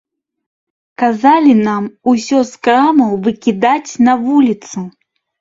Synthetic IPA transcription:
kazalʲinamusʲɔskɾamɐwvɨkʲid̪at͡sʲnɐvulʲit̪su

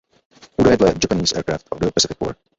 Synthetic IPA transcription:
huɾaɪdlɛt̚d͡ʒæpəniːzɛ̰ɹkɹæftʰɔvðəpəsɪfɪk̚ːɔ̰ɹ̚

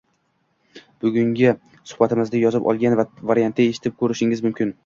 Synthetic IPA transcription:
b̥ʊɡʲʊŋɡʲɪ | sʊ̥hbat̪ʰɪmɪzd̪ajɒzɪpɒ̰lˠɡʲanvavaɾjant̪ʰɪɡaeʃɪ̥t̪ʰɪp̚kʰɵɾɪʃɪŋɪzmʊmkʲʰɪn

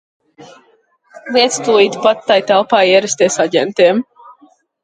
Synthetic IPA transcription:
lˠiɛt̪st̪uːit̪pat̪ːajt̪ælˠpaːiɛɾɛst̪iɛsaɟʲɛ̰nt̪iɛm

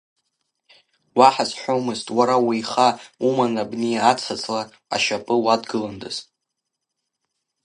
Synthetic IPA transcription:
waħazħʷowmɨztʼwaɾawijχaumanabnejaːt͡sʰat͡sʰʼla | a̰ʃapʼɨwadɡɨlandɨ̰z̥

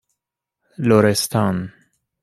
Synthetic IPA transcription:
loɾɛst̪an

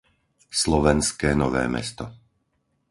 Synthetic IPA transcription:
slɔʋɛnskɛːnɔʋɛ̰ːmɛ̰st̪ɔ

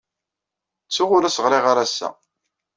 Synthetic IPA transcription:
t͡sːʊʁʊɾæsəʁɾˤiʁaɾæsːæ̰

